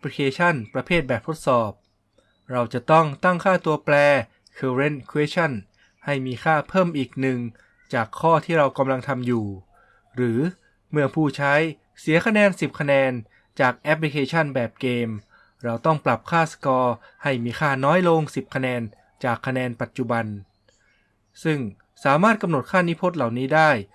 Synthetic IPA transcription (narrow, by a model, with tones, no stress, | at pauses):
ɛ˥pli˧kʰeː˧t͡ɕʰa˥˩npɾa˧pʰeː˥˩t̪̚bɛː˨˩p̚t̪ʰo˥t̪̚sɔː˨˩p̚ | ɾa˧wt͡ɕa˨˩t̪ɔ˥˩ŋt̪a˥˩ŋkʰaː˥˩t̪u˧ɐplɛː˧ | kʰɤː˧ɾe˧˥˩nkʰu˧eː˦˥t͡ɕʰa˥˩n | ha˥˩jmiː˧kʰaː˥˩pʰɤː˥˩mʔiː˨˩k̚nɯ˨˩ŋ | t͡ɕaː˨˩kʰːɔː˥˩t̪ʰiː˥˩ɾa˧wka˧mla˧ŋt̪ʰa˧mjuː˨˩ | ɾɯː˩˦ | mɯ˥˩əŋpʰuː˥˩t͡ɕʰa˦˥j | si˩˦ɐkʰa˧nɛː˧nsi˨˩p̚kʰa˧nɛː˧n | t͡ɕaː˨˩k̚ʔɛ˦˥pʰli˧kʰeː˧t͡ɕʰa˥˩nbɛː˨˩p̚keː˧m | ɾa˧wt̪ɔ˥˩ŋpla˨˩p̚kʰaː˥˩sḁ˧kɔː˧ha˥˩jmiː˧xʰaː˥˩nɔː˦˥jlo˧ŋsi˨˩p̚kʰa˧nɛː˧n | t͡ɕaː˨˩kʰːa˧nɛː˧npa˨˩t̪̚t͡ɕu˨˩ba˧n | sɯ˥˩ŋ | saː˩˦maː˥˩t̪̚ka˧mno˨˩t̪̚kʰaː˥˩ni˦˥pʰo˦˥t̪̚la˨˩wniː˦˥daː˥˩j